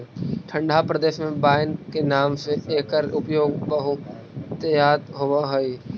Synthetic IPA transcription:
ʈʰə̃ɳɖʱapɾəd̪eːʃmẽbaːɪnkenaːmseeːkəɾʊpjoːɡpəɦo | t̪əjaːt̪ɦoʋaɦoi

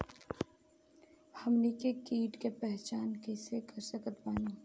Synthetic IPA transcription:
hɐmnikekiːʈkepɛɦt͡ʃaːnkɛːsekɐɾsəkət̪baːnũː

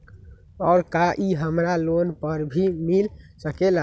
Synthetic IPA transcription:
ɔʊɾkaʔiɦəmɾalonpəɾbʱimilsəkela

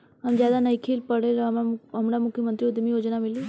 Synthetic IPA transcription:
ɦɐmzjaːd̪anɐikʰiːlpɐɽeɾmɦɐmɾamʊkʰjəmənt̪ɾiʊd̪mijoːd͡ʒnamɪli

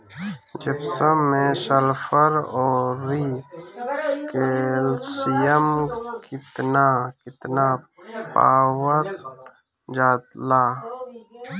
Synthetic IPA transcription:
d͡ʒebsəmːẽʃɐlfəɾoːɾi | kelsijəmkit̪nakit̪napa̰ːwəɾ | d͡ʒaːt̪laː

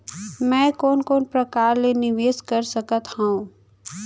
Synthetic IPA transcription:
mɛ̃ːkoːnkoːnpɾɐkaːɾlenɪʋeːskəɾsɐkət̪hãũ

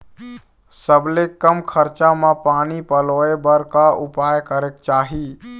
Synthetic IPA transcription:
səblekəmkʰəɾt͡ʃamãpaːnipəloːebəɾkaupaːjkəɾek̚t͡ʃaːɦi

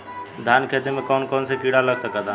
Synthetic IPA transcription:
d̪ʱaːnkʰet̪emẽkɔːnkɔːnsekiɽaləɡsəkad̪a

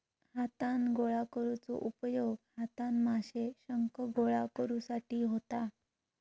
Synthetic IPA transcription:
hat̪ãnɡoɭakəɾut͡sɔ̰ʔupəjoɡhat̪ãnmaɕeɕəŋkəɡoɭakəɾusaʈiːɦot̪a

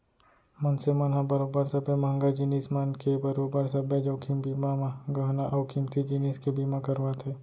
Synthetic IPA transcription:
mɐnsemɐnɦãbɐɾobəɾsɐbemɐɦəŋɡad͡ʒiniːsmɐnkebɐɾoːbəɾsɐbed͡ʒəːkʰimbiːmamãɡɐɦnaʔɐʊkʰimt̪ʰid͡ʒiniːskebimakəɾʋat̪ʰeː

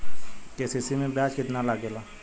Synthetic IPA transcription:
kesisimẽbaːt͡ʃkɪt̪nalaɡelaː

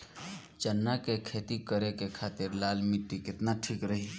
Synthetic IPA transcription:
t͡ʃənːakekʰeːt̪ikəɾekekʰaːt̪ɪɾlaːlmiʈːikɪt̪naʈʰiːkɾəɦi

